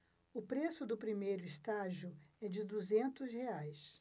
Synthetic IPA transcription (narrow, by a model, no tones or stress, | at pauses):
ʊpɾesʊd̪ʊpɾimejɾʊist̪aʒiʊɛd͡ʒɪd̪uzẽnt̪ʊsheajs